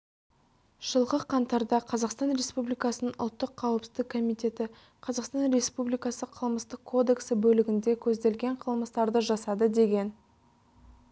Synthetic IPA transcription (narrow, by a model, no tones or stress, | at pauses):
ʒ̥əlˠʁəqʰɑnt̪ɑɾd̪ɑqʰɑzɑqst̪ɑnɾe̞spublijkɑsənəŋʔʊ̰lˠt̪ːəqʰːɑwəpsɪ̥zd̪ɪkkʰːo̞mijt̪e̞t̪ɪ | qʰɑzɑqst̪ɑnɾe̞spublijkɑsəqʰəlˠməst̪əqkʰːo̞d̪e̞ksɪbɵlɪɡʲɪnd̪e̞kʲʰɵzd̪e̞lɡʲe̞ɴqʰəlˠməst̪ɑɾd̪əʒɑsɑd̪əd̪e̞ɡʲe̞n